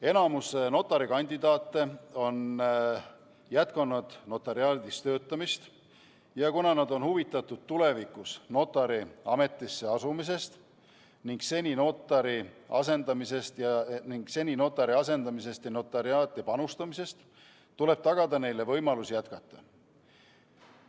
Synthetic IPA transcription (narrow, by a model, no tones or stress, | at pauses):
e̞nɑmuseno̞t̪ːˑɑɾikɑnʲd̪̥id̪̥ɑːt̪ːe̞o̞n | jæt̪̚kɑnɑd̪̥no̞t̪ːˑeɾiɑːd̪ist̪ø̞ːt̪ˑːɑmist̪ | jɑkunɑnɑd̪o̞nhuvit̪ːˑɑt̪ːˑud̪̥̚t̪ule̞vikːˑusno̞t̪ːˑɑɾiɑme̞t̪ˑːisːe̞ɑsumis̬e̞st̪ | niŋɡ̥se̞nʲino̞t̪ːˑɑɾiɑ̰se̞nd̪̥ɑmise̞st̪jɑniŋɡ̥se̞nʲino̞t̪ːˑɑɾiɑse̞nd̪ɑmis̬e̞st̪jɑno̞t̪ːˑɑɾiɑːt̪ːˑɑpɑnust̪ɑmise̞st̪ | t̪ːule̞b̥t̪ɑɡ̥ɑd̪ɑne̞jle̞vɤ̞jmɑlusijæt̪kɑt̪ːˑɑ